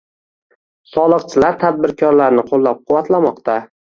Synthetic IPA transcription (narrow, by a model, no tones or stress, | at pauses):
sɒlˠɨqt͡ʃʰɪlaɾt̪ʰad̪̚bɪɾkʰɒɾlaɾnɪqʰolˠːap̚qʰʊwat̪ʰlamɒqt̪a